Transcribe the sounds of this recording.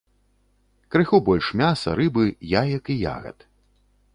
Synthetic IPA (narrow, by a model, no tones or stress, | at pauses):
kɾɨxubɔlʲʂmʲasɐ̰ɾɨbɨjajɐkija̰ɣɐ̰t̪